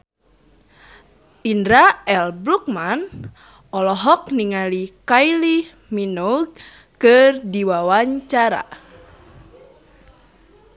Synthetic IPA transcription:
ʔindɾaɛlbɾuk̚man | ʔɔlɔɦɔk̚niŋalikajli | minuɡ̚ | kɨrdiwawaɲt͡ʃaɾa̰

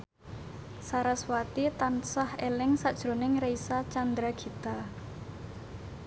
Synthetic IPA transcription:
saɾaswat̪it̪ansahelɪŋsad̥ʒ̥ɾo̤nɪŋreisat͡ʃand̪ɾaɡ̥i̤t̪a

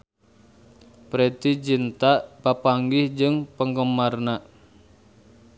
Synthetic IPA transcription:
pɾet̪id͡ʒint̪aʔpapaŋɡɪhd͡ʒɨŋpəŋɡəmarnaʔ

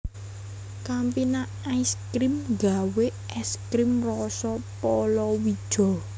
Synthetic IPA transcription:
kampina | aiskɾimɡaweʔɛskɾimrɔsɔpɔlɔwid̥ʒ̥ɔ̤

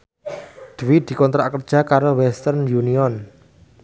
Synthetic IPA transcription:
d̪̥wid̪̥i̤kɔnt̪ɾakərd̥ʒ̥a̤kaɾowɛst̪ərnjuniɔn

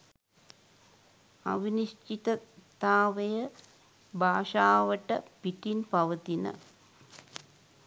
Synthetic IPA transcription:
a̰ʋiniʂt͡ʃit̪ət̪aːʋəjə | bʱaːʂaːʋəʈəpiʈinpaʋət̪inə̰

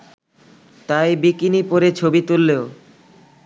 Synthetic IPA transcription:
t̪ajbikinipoɾet͡ɕʰobit̪ulːeo

